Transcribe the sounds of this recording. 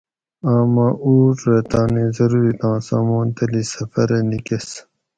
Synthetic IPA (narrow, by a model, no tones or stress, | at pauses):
ãːmãːʔuːʈɾet̪ãːneːzɐɾuːɾit̪ɑ̃ːsã̰ːmõːnt̪ɐlisɐfɐɾenikes